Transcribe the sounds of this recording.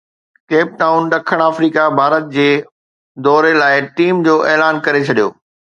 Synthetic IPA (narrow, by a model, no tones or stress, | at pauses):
keːp̚ʈaːʊnɗɐkʰəɽ̃aːfɾiːkabʱaːɾət̪̚d͡ʑeː | d̪ɔːɾelaːɪʈiːmd͡ʑoːʔeːlaːnkɐɾet͡ɕʰɐɗijo̰ː